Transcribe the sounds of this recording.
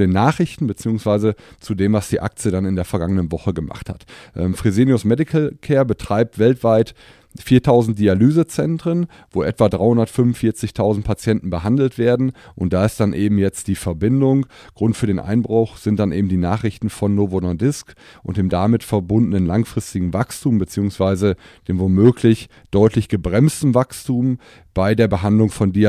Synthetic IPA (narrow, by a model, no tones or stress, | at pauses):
deːnːaːχʁ̥ɪçtn̩bət͡siːʊŋsv̥aɪzət͡sudeːmvasd̥iːʔa̰k̚t͡sjədanɪndeːɐfɛɐɡaŋənənvɔχəɡəma̰χtha̰tʔɛːmfʁ̥izeːnjʊsmɛdɪkʰl̩kʰɛːɐbətʁ̥aɪp̚tv̥ɛltv̥aɪt | fiːɐtʰaʊzn̩t̚d̥ialyːzət͡sɛntʁ̥ən | voːʔɛtv̥adʁaɪhʊndɐtfʏnvʊnfiːɐt͡sɪçtʰaʊzn̩t̚pʰat͡sjɛntn̩bəɦandl̩tv̥eːɐdn̩ʔʊnt̚d̥aːɪst̚d̥anʔeːbm̩jɛt͡std̥iːfɛɐbɪndʊŋɡ̥ʁʊntfyːɐɾeːnʔa̰ɪnbʁʊχz̥ɪnt̚d̥anʔeːbm̩diːnaːχʁ̥ɪçtn̩fɔnːovonɔdɪskʔʊ̰nt̚d̥eːmdamɪtfɛɐbʊndənənlaŋfʁ̥ɪstɪɡŋ̩vakstʰuːmbət͡siːʊŋsv̥aɪzəd̥eːmvomøːklɪç | d̥ɔʏtʰlɪçɡ̥əbʁɛmstn̩vakstuːm | b̥aɪdeːɐbəɦandlʊŋfɔndi